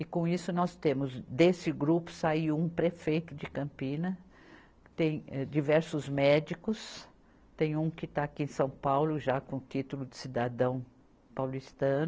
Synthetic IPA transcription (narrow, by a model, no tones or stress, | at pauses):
ɪkõisʊnɔst̪ẽmʊzd̪esɪɡɾupʊ̥saiwũpɾefejt̪ʊd͡ʒɪkɐ̃mpĩnɐ | t̪ẽj̃ɛd͡ʒivɛɾsʊzmɛd͡ʒikʊs | t̪ẽj̃ũkɪt̪aːkiẽj̃sɐ̃w̃pawlʊʒakõʊt͡ʃ̪it̪ʊlʊd̪ɪsid̪ad̪ɐ̃w̃ | pawlist̪ɐ̃nʊ